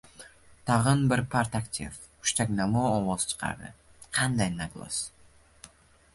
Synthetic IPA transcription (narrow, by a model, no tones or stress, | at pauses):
t̪ʰɑʁɨnbɪɾpʰaɾt̪akt̪ʲʰḭfʰ | ʊ̥ʃt̪akʲnamɒɒwɒz̥t͡ʃʰɨ̥qʰɑ̰ɾd̪ɪ̰ | qʰɑnd̪ajnaɡlˠa̰s